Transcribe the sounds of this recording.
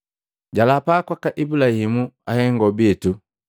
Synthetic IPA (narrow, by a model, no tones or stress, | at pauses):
ɟalapakwakaʔibulahimuahɛŋɡɔbiɛtu